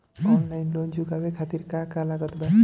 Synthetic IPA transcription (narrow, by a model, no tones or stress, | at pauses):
ɔnlajnlond͡ʒuɡawekʰat̪iɾkakalaɡət̪ba